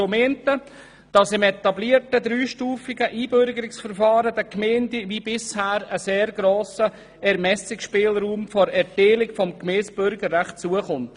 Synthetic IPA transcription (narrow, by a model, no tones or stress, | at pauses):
omɛntə | d̥ɑsɪmɛt̪ɑbliəɾtəd̪ɾyːʃtuːfɪɡəʔiːbøɾɡəɾɪksfəɾfɑːɾədəkmendiʋibɪshæːɾəseːɾɡ̥ɾoːsə | ɛɾmɛsɪkʃpɪːlɾuːmfɔɾɛɾteːlɪkfɔmkmeːsb̥ʏɾɡəɾːæχt̚t͡suəχʊnt